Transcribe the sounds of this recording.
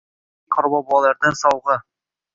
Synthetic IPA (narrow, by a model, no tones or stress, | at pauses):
qŏɾbɑbulˠɑlˠɑɾd̪ɤnsɑwʁɤ